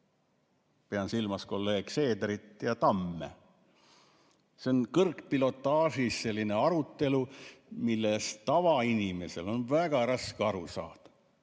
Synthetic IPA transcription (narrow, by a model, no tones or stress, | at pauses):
peɑnsilmɑsko̞lːe̞ːɡ̥se̞ːd̪ɾit̪ˑjɑt̪ɑmːḛ | seonkɤrkpilo̞t̪ːˑɑːʒisːe̞lːine̞ɑɾut̪ːe̞lumilːe̞st̪ɑvɑinime̞se̞lo̞nvæɡ̥ɑɾɑskeɑɾusɑ̰ːd̪̥